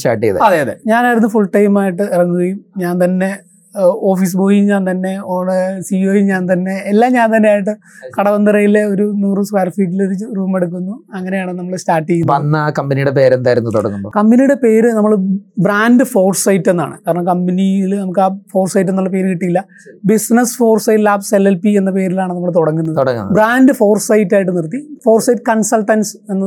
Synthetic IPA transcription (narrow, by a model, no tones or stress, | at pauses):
sʈa̰ːʈːijɐ̰ðḛɐðeːɐðeɲaːnaːjɾunːufuɭʈɐjmaːjiʈːɨirɐŋːuɣɐjumɲaːnt̪ɐnːe̞ | o̞ːfiːs̬ɨpo̞ːjumɲaːnt̪ɐnːe̞oːɳsioːjimɲaːnt̪̬ɐnːe̞ːlːaːmɲaːnt̪ɐnːe̞jaːjiʈːɨ | kɐɽɐʋɐnd̪ɨrɐjile̞o̞ɾunuːrɨskwaːrfiːʈ̬ːiloɾuruːme̞ɽuk̬ːunːuɐŋːɐne̞jaːɳɨnɐmːɐɭstaːʈːiejːunʋɐnːkɐmbɐnijuɽe̞pe̞ːɾend̪aːjiɾunːɨt̪oɽɐ̰nːumboːkɐmbinijuɽe̞pe̞ːɾɨnɐmːɐɭbraːndɨfo̞ːrsɐjtːe̞nːa̰ːɳɨ̰kaːɾɐɳɐmkɐmbɐniilnɐmuk̬ːɨaːfo̞ːrsɐjtːenːolːɭːɐp̬e̞ːɾɨkiʈːijilːɐ | bisnɐsfo̞ːrsɐjtlaːbselelpienːɐpe̞ːɾilaːɳɨnɐmːɐɭt̪oɽɐŋːunːɐðoɽɐŋ̰ːbraːndɨfo̞ːrsɐjtːaːjiʈ̬ːɨnirt̪ːifo̞ːrsɐjʈːɨ̥kɐɳsɐlʈːɐnsenː